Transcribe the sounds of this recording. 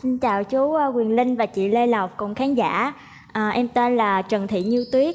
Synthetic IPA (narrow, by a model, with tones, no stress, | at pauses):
si˧nt͡ɕaː˨˩wt͡ɕu˨˦ʔkwi˨˩ənlï˧ŋ̟vaː˨˩t͡ɕḭ˧˨lə˧la˨˩wk͡p̚kʊ˨˩ŋ͡mxaː˨˦nza̰ː˧˥ | ʔəː˨˩ʔɛ˧mt̪e˧nlaː˨˩t͡ɕə˨˩ŋt̪ʰḭ˧˨ɲɨ˧t̪wi˦˥ək̚